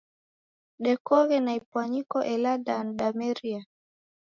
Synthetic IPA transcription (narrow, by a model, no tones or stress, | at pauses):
ɗɛkɔɣɛnaipwaɲikɔʔɛladanɗamɛɾia